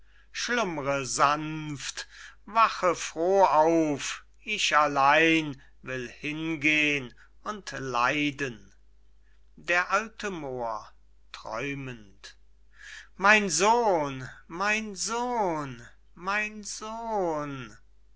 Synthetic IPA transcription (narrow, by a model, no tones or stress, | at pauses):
ʃlʊmʁəzanftvaχəfʁ̥oːaʊf | ʔɪçalaɪn | vɪlhɪnɡeːən | ʊntla̰ɪdən | deːɐʔaltʰəmoːɐ | tʁ̥ɔ̰ʏmənt | maɪnzoːnmaɪnzoːn | maɪnzoːn